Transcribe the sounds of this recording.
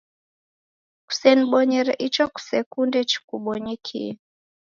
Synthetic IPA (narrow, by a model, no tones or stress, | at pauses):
ku̥sɛniɓɔɲɛɾɛʔit͡ʃɔku̥sɛkundɛt͡ʃi̥kuɓɔɲikʰḭ